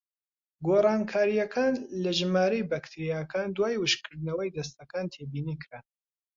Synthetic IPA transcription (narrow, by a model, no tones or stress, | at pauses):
ɡoːrˤɑːnkʰaːɾijɐkʰaːnlɐʒɨmaːɾejbakt̪ʰiɾijaːkaːnd̪waːjwɨʃkʰɨɾd̪nɐwɐjd̪ɐst̪ɐkaːnt̪ʰeːbiːniːkʰɨɾa